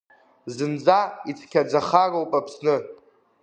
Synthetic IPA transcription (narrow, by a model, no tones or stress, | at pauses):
zɨnd͡zait͡sʰkʲʰad͡zaχarowpʼapʰsnɨ